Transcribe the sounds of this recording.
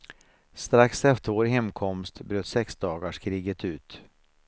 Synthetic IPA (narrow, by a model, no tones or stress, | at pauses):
st̪ɾaksɛft̪əɾvoːɾɦɛmkʰɔmst̪bɾøːt̪sɛksd̪ɑːɡaʂkʰɾiːɡət̪ʰʉ̟ːt̪